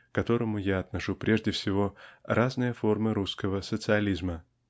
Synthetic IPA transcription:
kɐt̪o̞ɾəmʊjaɐt̪nɐʂupɾʲe̞ʐdʲɪfsʲɪvo̞raznɨjəfo̞rmɨɾuskəvəsət̪sɨɐlʲizmə

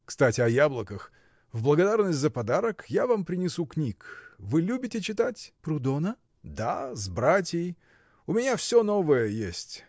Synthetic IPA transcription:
kst̪atʲɪɐjablˠəkəx | vblˠəɡɐd̪arnəsʲtʲzəpɐd̪aɾəkjavampɾʲɪnʲɪsuknʲikvɨlʲubʲɪtʲɪt͡ɕɪt̪atʲpɾʊd̪onə | d̪azbɾatʲjɪj | ʊmʲɪnʲafsʲono̞vəjəjesʲtʲ

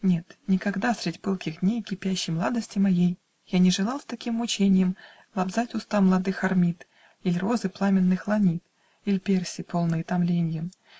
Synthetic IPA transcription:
nʲe̞t̪nʲɪkɐɡd̪asʲɾʲɪdʲpɨlˠkʲɪɣd̪ʲnʲejkʲɪpʲæɕːɪjmlˠad̪əsʲtʲɪmɐjej | janʲɪʐɨlˠɑlˠst̪ɐkʲimːʊt͡ɕenʲɪjəm | lˠɐbzatʲʊst̪amlˠɐd̪ɨxɐrmʲit̪ | ilʲro̞zɨplˠamʲɪnːɨxlˠɐnʲit̪ | ilʲpʲersʲɪpʰo̞lˠnɨjət̪ɐmlʲenʲjəm

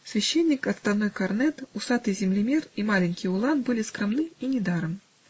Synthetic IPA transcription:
sʲvʲɛɕːɛnʲːikɐt̪st̪ad̪nɔjkarnɛt̪usat̪ɨzʲɪmlʲɪmʲɛrimalʲɪnʲkʲiulˠanbɨlʲiskɾɨmnɨinʲɪd̪aɾɨm

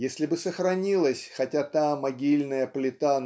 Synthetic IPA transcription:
jesʲlʲɪbɨsəxɾɐnʲilˠəsʲxɐtʲat̪amːɐɡʲilʲnəjəplʲɪt̪an

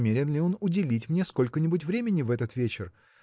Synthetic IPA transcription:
mʲeɾʲɪnlʲɪo̞nʊdʲɪlʲit̬ʲmnʲesko̞lʲkənʲɪbʊtʲvɾʲemʲɪnʲɪvɛt̪ət̪vʲet͡ɕɪr

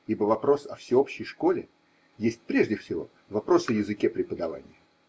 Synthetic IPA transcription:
ibəvɐpɾo̞sɐfsʲɪopɕːɪjʂko̞lʲɪ | jesʲtʲpɾʲe̞ʐdʲɪfsʲɪvo̞̰ | vɐpɾo̞sɨəjɪzɨkʲepɾʲɪpəd̪ɐva̰nʲɪjə

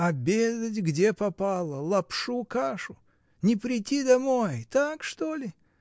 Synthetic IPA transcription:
ɐbʲezətʲɡdʲepɐpalˠəlˠɐpʂukaʂʊ | nʲɪpɾʲɪtʲid̪ɐmo̞jt̪akʂt̪o̞lʲɪ

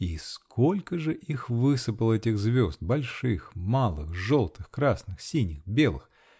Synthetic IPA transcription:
iskʰolʲkəʐɨʔixvɨsɨpəlˠɛtʲɪɣzvʲo̞zd̪̚bɐlʲʂɨxmalˠɨxʐolˠt̪ɨxkɾasnɨxsʲinʲɪxbʲe̞lˠɨ̰x

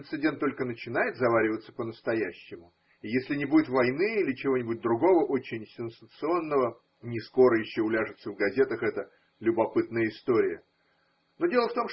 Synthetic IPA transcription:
nt̪sɨdʲe̞nt̪ːo̞lʲkənət͡ɕɪn̪ajɪt̪zɐvaɾʲɪvət̪sə̥pənəst̪ɐjæɕːɪmʊ | ijesʲlʲɪnʲɪbudʲɪt̪vɐjnɨilʲɪt͡ɕɪvonʲɪbʊt̚ʲd̪ɾʊɡo̞vəʔot͡ɕɪnʲsʲɪnsət̪sɨo̞nːəvə | nʲɪsko̞ɾəjɪɕːoʊlʲaʐɨt̪səvɡɐzʲe̞t̪əxɛt̪ə | lʲʊbɐpɨt̪̚nəjəɪst̪o̞ɾʲɪjə | no̞dʲe̞lˠəft̪o̞mʂ

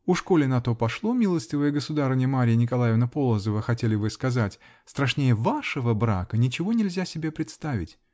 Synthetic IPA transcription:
ʊʂko̞lʲɪnɐt̪o̞pɐʂlˠo̞mʲilˠəsʲtʲɪvəjəɡəsʊd̪aɾvnʲjəmaɾʲɪjənʲɪkɐlˠajɪvnəpo̞lˠəzəvəxɐtʲelʲɪvɨskɐzatʲ | st̪ɾɐʂnʲejəvaʂəvəbɾa̰kənʲɪt͡ɕɪvo̞nʲɪlʲzʲasʲɪbʲe̞pɾʲɪt̪st̪avʲɪ̰tʲ

